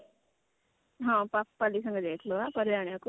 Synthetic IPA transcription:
ɦãpappːalisʌ̃ŋɡʌd̪eːk̪ʰloapəɾjaːɳjaku

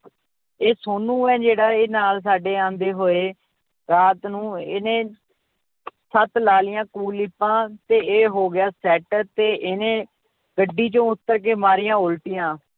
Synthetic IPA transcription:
eːsoːnũːɛːd͡ʒeːɽaːeːnaːls̬aːɖeːãːnd̪eːɦoːeː | ɾaːt̪nũːɪnẽː | sət̪laːlɪjãːkuːlɪpːãːt̪eːeːɦoːɡɪjaːsɛːʈt̪eːʔɪnẽː | ɡəɖːiːt͡ʃõːʊt̪ːəɾk̬eːmaːɾijãːʊlʈijãː

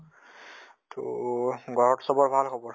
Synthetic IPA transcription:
tʰoɡʱɔɹɔtsɔbɔɹbʱalxʰɔbɔɹ

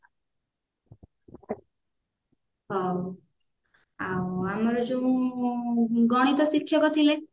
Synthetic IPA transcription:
ɦɔw | awamɔɾɔd͡ʒũ | ɡɔɽ̃it̪ɔsikʰːjɔkɔt̪ʰile

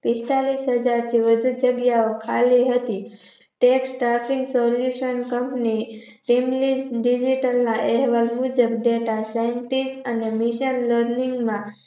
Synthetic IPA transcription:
pɪst̪alisɦəd͡ʒaɾt̪ʰiʋəd͡ʒ̪ʱud͡ʒəɡjaokʰaliɦət̪i | ʈeksʈɾafĩŋɡsɔljuʃənkəmpniʈimliɖid͡ʒiʈəlnaʔɛɦʋalmud͡ʒəbɖeʈasajəɳʈisənemiʃənləɾniŋɡmã

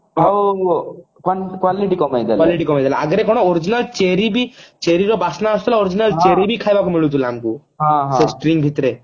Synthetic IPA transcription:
ɦo | kakwaliʈikɔmajd̪alkaliʈikɔmajd̪ala̰aɡɾekɔɽ̃ɔoɾid͡ʒinalt͡ʃeɾibit͡ʃeɾiɾɔbasnaːsut̪ʰɔlaoɾid͡ʒinalt͡ʃeɾibʱikʰajbakumiɭut̪ʰulaːmku | ɦãɦsesʈɾiŋbʱit̪ɾe

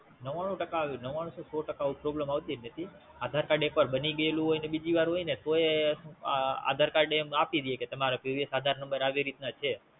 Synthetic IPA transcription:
nəʋaɽ̃ũʈəkaʋinəʋaɽ̃ũsosɔʈəkaupɾobləmaʋt̪inət̪ʰi | ad̪ʱaɾkaɖẽkpəɾbəniɡəelũɦojnebid͡ʒiʋaɾɦojnet̪oe | a̰d̪ʱaɾkaɾɖemapid̪ijeket̪əmaɾapuʋjəsad̪ʱaɾnəmbəɾaʋiɾit̪nat͡ʃʰe

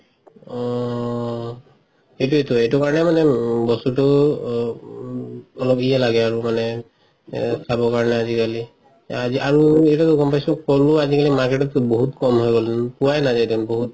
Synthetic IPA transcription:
ɔ | etuetuetukaɹɔnɛmanɛbɔsɔtʊ | ɔlɔpijalaɡɛaɹumanɛ | sʰabɔkaɹɔnɛazikali | aziaɹuɛjtatukɔmpajsɔkɔluazikalimaɹkɛtɔtboɦutkɔmɦojɡɔlpuwajnazajtɔnboɦut̚

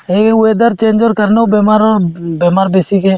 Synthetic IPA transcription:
ɦekued̪əɾt͡ʃeːnd͡ʒoɾkəɾneubemaɾbemaːɾbeːsike

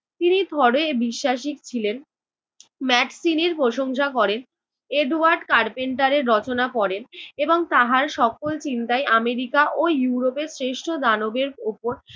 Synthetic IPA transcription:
t̪inid̪ʱɔɽoebiʃːaʃ̬ikt͡ɕʰilen | mɛɖsineɾpɾoʃoŋʃakɔɾen | eɖuaɾɖkaɾpeɳʈaɾeɾːɔt͡ɕonapɔɽeneboŋt̪aɦaɾʃɔkolt͡ɕint̪ajameɾikaʔojuɾopesɾeʃʈʰod̪anobeɾupoɾ

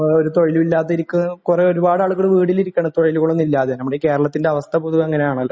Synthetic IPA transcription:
oɾut̪o̞ɻiluʋilːaːt̪ːɐiɾikʲːukureoɾubaːɽaːɭuɣɐɭɨʋiːɽiliɾikʲːɐɳɐt̪o̞ɻiluɣoɭːonːilːaːðenɐmːuɽeke̞ːɾɐɭɐt̪ːindeɐʋɐst̪ʰɐbuːðuɣɐeŋːɐne̞jaːɳɐlː

